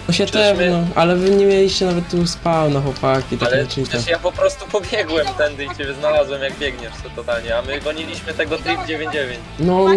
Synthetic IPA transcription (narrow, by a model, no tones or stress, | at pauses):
ɔɕʲat̪ɛvnɔʔalɛvɘɲɛmʲjelʲiɕt͡ɕɛnavɛt̪ːuspawnaxwɔpakʲit̪akɛit̪ajapɔpɾɔst̪upɔbʲjɛɡwɛmt̪ɛnd̪ɨit͡ɕebʲɛznalazwɛmjaɡbʲjɛɡɲɛʂsɛt̪ɔt̪alɲɛamɘɡɔɲilʲiɕmɘt̪ɛɡɔt̪ɾʲipd͡ʑevʲjeɲd͡ʑd͡ʑevʲjeɲt͡ɕnɔ